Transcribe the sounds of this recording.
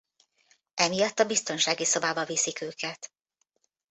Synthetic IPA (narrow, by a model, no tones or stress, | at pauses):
ɛmijɒt̪ːɒbist̪o̞nʃaːɡiso̞baːbɒvisikøːkɛt̪